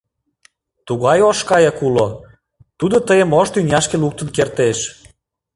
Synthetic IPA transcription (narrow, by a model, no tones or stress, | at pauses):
t̪uɣɑjoʃkɑjɑkulo | t̪ud̪ot̪əjəmoʃt̪ynʲɑʃkeluk̚t̪ə̆nkert̪eʃ